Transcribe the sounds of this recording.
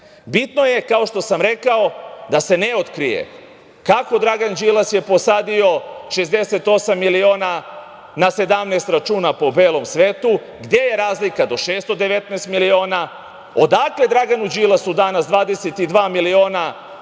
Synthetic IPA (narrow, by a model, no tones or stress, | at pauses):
bit̪no̞je̞kao̞ʃt̪o̞samɾe̞kao̞d̪ase̞neot̪kɾijḛ | kako̞d̪ɾaɡand͡ʒilˠasje̞po̞saːd̪io̞ʃezd̪e̞se̞t̪o̞samːilio̞ːna | nase̞d̪amnest̪ɾat͡ʃuːnapo̞be̞ːlo̞msʋe̞ːt̪u | ɡd̪je̞je̞ɾaːzlikad̪o̞ʃeːst̪o̞d̪eʋe̞t̪naːst̪milio̞ːna | od̪akle̞d̪ɾaɡanud͡ʒilasud̪anasd̪ʋaːd̪eset̪id̪ʋaːmilio̞ːna